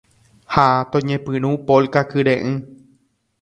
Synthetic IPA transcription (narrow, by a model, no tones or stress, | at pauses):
hat̪õɲẽpɨ̃ɾ̃ũpolkakɨɾẽʔɨ̃